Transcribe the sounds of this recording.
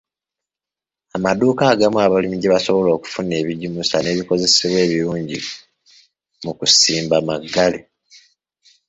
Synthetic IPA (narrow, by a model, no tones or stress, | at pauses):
amaduːkaːɡamuaβalimiɟeβaso̞βo̞lo̞ːku̥fune̞ːβiɟimusane̞βiko̞ze̞seβwe̞ːβiɾuːɲɟḭ | mukusiːmbamaɡːale